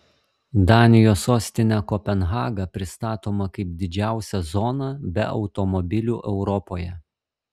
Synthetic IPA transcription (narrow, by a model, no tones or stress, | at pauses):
d̪ɑːnʲɪjoːsoːsʲt̪ʲɪnʲækɔpʲɛnɦɑːɡɐpʲɾʲɪst̪ɑːt̪oːmɐkɐɪp̚d̪ʲɪd͡ʒʲæˑʊsʲɛzɔnɐbʲɛ̰ɒ̰ʊt̪ɔmɔbʲɪlʲuːʔɛʊɾɔpoːjɛ